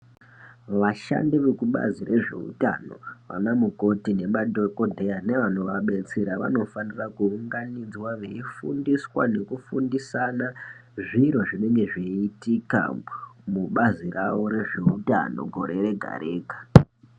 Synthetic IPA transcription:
ʋaʃa̰ndiʋekuɓa̰zire̞ʐe̞̰ṵtano̞̰ʋa̰namuko̞tine̞ɓadʱoko̞dʱe̞ane̞ʋan̤oʋaɓe̞t͡seɾaʋa̰no̞fanirakuuŋɡanid͡zwaʋe̞ifundiswa̰ne̞kufundisanaʐiɾo̞ʐine̞ŋɡe̞ʐeitika̰muɓazirʔa̰ʋo̞ɾe̞ʐe̞uta̰no̞̰ɡʱo̞̰ɾe̞ɾe̞ɡʱa̰ɾe̞ːkḁ

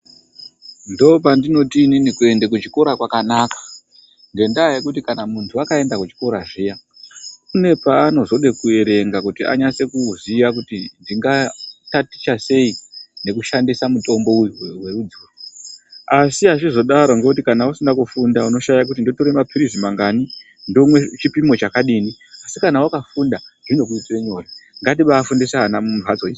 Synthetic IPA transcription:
ndo̞pandino̞tiːninikue̞ndekut͡ʃi̥ko̞ɾakwakanakḁ | ŋɡe̞ndaːje̞kutikanamuntʰuakae̞ndakut͡ʃi̥ko̞ɾaʐija | une̞paːno̞zo̞ɗe̞kue̞ɾe̞ŋɡakutiʔa̰ɲase̞kuziʋak̬utindiŋɡatati̥t͡ʃase̞ine̞kuʃandisamuto̞mbo̞ujuwe̞rud͡zor | asiat͡ʃizo̞ɗaɾoŋɡoutikanausindakufundauno̞ʃajak̬utindo̞toɾemapiɾisimaŋɡani | ndomwe̞t͡ʃipimo̞t͡ʃakaɗiːni | asikanawakafundaʐino̞k̬uitweɲo̞jaŋɡatiɓaːfundisaanarwat͡soii

